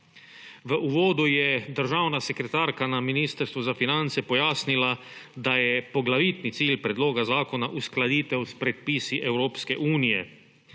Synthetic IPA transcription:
ʋəʔuʋoːd̪ujɛd̪əɾʒaːwnasɛkɾɛt̪aːɾkanaminiːst̪əɾst̪ʋuzafinant̪sɛpɔjaːsnilad̪ajɛpoɡlaʋiːt̪nit̪siːlpɾɛd̪loːɡazaːkonaʔusklad̪iːt̪ɛwspɾɛt̪̚piːsiʔɛwɾoːpskɛʔuːnijɛ

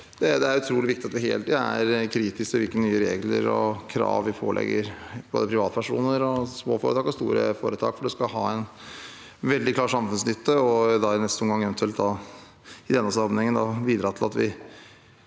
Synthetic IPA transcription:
d̪̥ɛd̪ɛæɾʉt̪ʰɾuːlɪʋɪk̚t̪ɪɑt̪ʋɪɦḛːlt̪æɾkʰɾiːt̪ɪst̪ɪʋɪlkənnyːəɾeːɡlə̰ɾɔkʰɾɑ̰ːʋʋɪpʰo̰ːlʔɛ̰ɡːəɾb̥oːd̪əpʰɾɪʋɑːt̪pʰæʂṵːnəɾɔsmoːfoːɾət̪ʰɑːkɔst̪ṵːɾə̰foːɾət̪ʰɑ̰ːkfɔɖʉskɑɦɑːɛn | ʋɛld̪ɪklɑːɾʂɑmfʉnsnʏt̪ːəɔd̪ɑnɛsuːnɡɑŋːɛʋɛnt̪ʉɛlt̪d̪ɑ | ɪd̪ɛnːəsɑɾmnɪŋənd̪ɑʋiːd̪ɾɑːt̪ɪlɑt̪ʋɪ

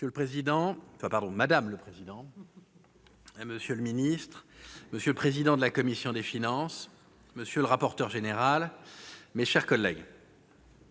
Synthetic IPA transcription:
ələpχezid̪ɑ̃fapaʁd̪ɔ̃mad̪amləpχezid̪ɑ̃ | məsjøləminist̪χməsjøləpχezid̪ɑ̃d̪əlakɔmisjɔ̃d̪efinɑ̃s | məsjøləʁapɔʁt̪œʁʒeneʁal | meʃɛʁkɔlːɛɡ

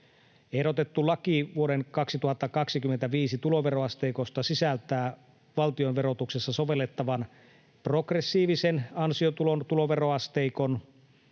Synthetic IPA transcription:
eɾo̞t̪e̞t̪ːulɑkiʋuoɾenkɑksit̪uhɑt̪ːɑkɑksikymːent̪æʋiːsit̪ulo̞ʋero̞ɑst̪eikost̪ɑsisælt̪æː | ʋɑlt̪io̞nʋeɾo̞t̪uksesːɑsoʋelːet̪ːɑʋɑn | pro̞kresːiːʋisenɑnsiot̪ulont̪ulo̞ʋe̞ro̞ɑst̪eikon

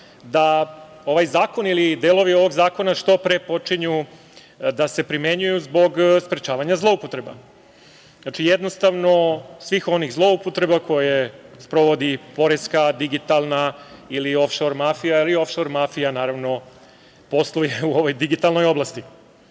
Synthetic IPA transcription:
d̪a | o̞ʋajzaːko̞nilid̪eːlˠo̞ʋio̞ʋo̞ɡzaːko̞naʂt̪o̞pɾepo̞t͡ʂiɲu | d̪ase̞pɾime̞ɲujuzbo̞ɡspɾet͡ʃaːʋaɲazlˠo̞upot̪ɾe̞ba̰ | znat͡ʃijed̪nost̪aʋno̞sʋixo̞niɣzlˠo̞upot̪ɾe̞bakʰo̞jespɾo̞ʋo̞d̪ipo̞ɾeskad̪iɡit̪alˠnailio̞fʃo̞ɾmafijailio̞fʃo̞ɾmafijanaːɾaʋno̞ | po̞slujeuo̞ʋo̞jd̪iɡit̪alˠno̞jo̞blˠast̪i

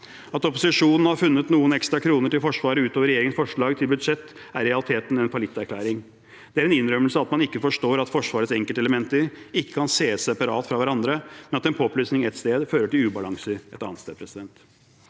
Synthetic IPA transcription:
ɑt̪ɔpʊsɪʂuːnn̩hɑɾfʉnːət̪nuːənɛkst̪ɾɑkʰɾuːnəʈɪlfɔʂʋɑːɾəʉːt̪oːʋəɾɛjeːɾɪŋənsfɔʂɭɑːɡt̪ʰɪlbʉd̪ʂɛt̪ːæɾɛɑlɪt̪ʰeːt̪nɛnfɑlɪt̪ːæɾkʰlæːɾɪŋ | d̪̥ɛæɾɛnɪnːɾœməl̩səɑɑt̪mɑnɪkːəfɔʂʈoːɾɑt̪fɔʂʋɑːɾət̪sɛŋkəlt̪əɛləmɛnt̪əɾɪkːə̥kʰɑnseːsɛpɑɾɑːt̪fɾɑʋæɾɑnd̪ɾəmɛnɑt̪ɛnpʰoːɔplyːsnɪŋɛt̪st̪eːd̪føːɾəʈɪlʉːbɑlɑŋsəɛt̪ɑ̰ːnst̪eːd̪pɾɛsɪd̪ɛnt̪

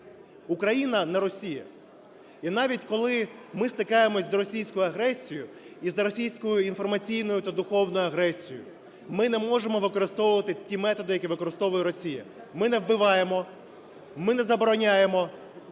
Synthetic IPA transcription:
ukɾɐjinɐnɛɾɔsʲijɐ̰ | inɑʋʲitʲkɔlˠɪmɪst̪ɪkɑjemɔzɾɔsʲijsʲkʊjʊɐɦɾɛsʲijʊ | izɐɾɔsʲijsʲkʊjʊinfɔrmɐt͡sʲijn̪ɔjʊt̪ɐd̪ʊxɔwnɔjʊɐɦɾɛsʲijʊ | mɪnɛmɔʒemɔʋɪkɔɾɪst̪ɔʋʊʋɐt̪ɪtʲimɛt̪ɔd̪ɪjɐkʲiʋɪkɔɾɪst̪ɔʋʊjɛɾɔsʲijɐ̰ | mɪnɛwbɪʋɑjemɔ | mɪnɛzɐbɔɾɔnʲajemɔ

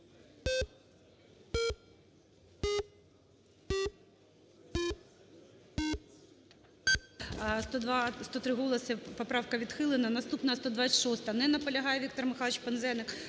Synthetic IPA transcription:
st̪ɔt̪ɾɪɦɔlˠɐsʲɪpɔpɾɑwkɐʋʲid̪xɪlˠɪnɐnɐst̪upnɐɐst̪ɔd̪ʋɑsʲʃɔst̪ɐnɛnɐpɔlʲɐɦɑjɛʋʲik̚t̪ɔrmɪxɑlˠɪt͡ʃpenzɛnɪk

